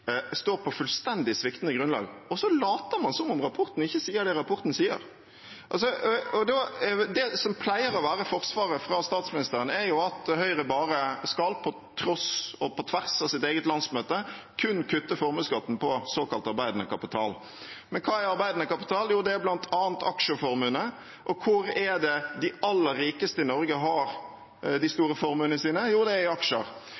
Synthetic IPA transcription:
st̪oːɾpʰɔfʉlst̪ɛnd̪ɪsʋɪkt̪nəɡɾʉnlɑ̰ːɡɔsɔlɑːt̪əɾmɑnsɔmʊmʁɑpʰɔɾt̪n̩ɪçːəsiːəɾd̪ɛɾɑpʰɔɾt̪n̩siːə̰ɾ | ʔɑls̬ɔɔd̪ɔd̪ɛsɔmpʰlæɪəɾɔʋæːɾəfɔɾsʋɑːɾəfɾɑst̪ɑːt̪smɪnɪst̪əɾənɛɾjʊɑt̪hœʏʁəbɑːɾəskɑlpʰɔ | t̪ʰɾɔsɔpʰɔt̪ʰʋæʁsɑʋsɪt̪eːɡət̪lɑnsmøːt̪əkʰʉnkʰʉt̪ːəfɔɾmʉskɑt̪ːn̩pʰɔsoːkɑlt̪ɑɾbæɪd̪nəkʰɑpɪt̪ʰɑ̰ːl | mɛnkʰɑːæɾɑɾbæɪd̪nəkɑpɪ̥t̪ʰɑːljuːd̪ɛæblɑnt̪ʰɑːənt̪ɑkʂəfɔɾmʉːnə | ʔɔkʰʊɾɛd̪ɛd̪ɪɑlːəɾːiːkəst̪əɪnɔɾɡəɦɑɾ | d̪ɪst̪uːɾəfɔɾmʉːnəəsiːnəjuːd̪ɛɪɑkʂə̰ɾ

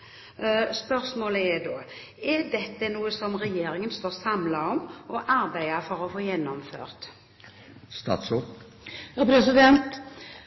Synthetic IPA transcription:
spœɾsmoːləɛd̪oː | ɛd̪ɛt̪ːənuːəsɔmʁɛjeːɾɪŋənst̪oːɾsɑmlaɔmɔʔɑɾbæɪɑfɔɾɔfoːjɛnːɔmfø̰ːʁt̪ | st̪ɑ̰ːt̪so | pʰɾɛsɪd̪ɛnt̪

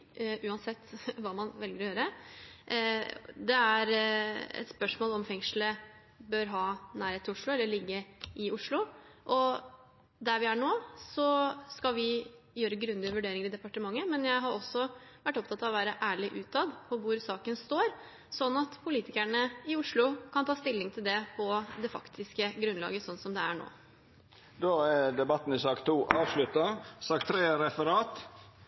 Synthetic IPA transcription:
ʉːɑnsɛt̪ːʋɑːmɑnʋɛlɡəɾɔjøːɾə | d̪ɛæɾɛ̰t̪spœʂmoːlɔmfɛŋʂlə | bøːɾɦɑːnæːɾheːɪʊʂlʊɛlːəɭɪɡːəɪʊʂlʊ | ʔɔ | d̪æɾʋɪæɳoːsɔskɑʋɪ | jøːɾəɡɾʉnd̪ɪəʋʉɖeːɾɪŋəɾɪd̪ɛpɑʈəmɑŋːəmɛnjæɪɦɑɾʔɔsɔʋæʈːɔpt̪ʰɑt̪ɑːʋɔʋæːɾəʔæːɭɪʔʉːt̪ʰɑd̪pʰɔʋʊɾsɑːkənst̪oːɾ | sɔnːɑt̪pʰʊliːt̪ɪkæɳəɪʊʂɭʊkʰɑnt̪ʰɑːst̪ɪlːɪŋt̪ʰɪld̪ɛpʰɔd̪ɛfɑ̰kt̪ʰɪskəɡɾʉnlɑ̰ːɡəsɔnːsɔmd̪ɛæɳo̰ː | d̪oːæd̪ɛbɑt̪ːn̩ɪsɑːkt̪ʰuːʔɑːʋʂlʉt̪ɑsɑːkt̪ʰɾeːɾɛfəɾɑːt̪

